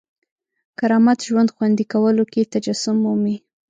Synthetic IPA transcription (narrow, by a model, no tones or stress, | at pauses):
kaɾɑmat̪ʒwand̪xwand̪ikawəloket̪ad͡ʒasʊmːumi